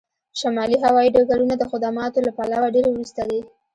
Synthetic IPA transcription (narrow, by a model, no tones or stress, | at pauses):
ʃamɑliɦawɑjiɖaɡaɽunad̪əxʊd̪amɑt̪olapalawaɖeɾewɾust̪ad̪e